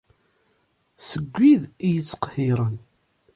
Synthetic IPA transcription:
səɡʷːiðijət͡sːqhɪɾˤən

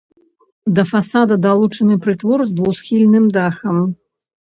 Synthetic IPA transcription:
d̪ɐfasad̪ɐd̪alˠut͡ʂɐnɨpɾɨt̪vɔrzd̪vuwsxʲilʲnɨmd̪axɐm

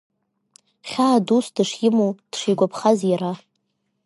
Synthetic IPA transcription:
χʲaːdusdɨʂjɪmud̥ʂijɡʷapʰχazjɾa

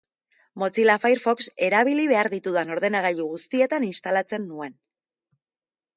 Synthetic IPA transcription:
mo̞t͡silafajɾfo̞kse̞ɾaβ̞iliβe̞aɾðit̪uðano̞ɾðe̞naɣaʎuɣ̞ust̪ie̞t̪aninst̪alat͡se̞nːue̞n

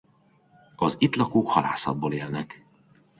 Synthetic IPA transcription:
ɒzit̪lɒkoːkhɒla̰ːsɒ̰d̪̚boːleːlnɛk

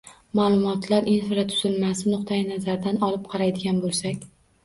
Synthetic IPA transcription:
maːlˠʊmɒt̪laɾinfɪɾat̪ʰʊ̥z̥ɪlmasɪnʊqt̪ʰajɪnazaɾd̪anɒlˠɪp̚qʰɑɾajd̪ɪɡʲanbolˠsakʲ

